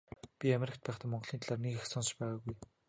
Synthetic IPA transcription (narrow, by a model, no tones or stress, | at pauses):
pʲiameɾɪ̆kʲt̪̚pæːχt̪ămɔɴɢɞ̆ɮ̥iːnt̪aɮaːrneɣxsɔnsɞ̆ʃpæːʁaːɣuj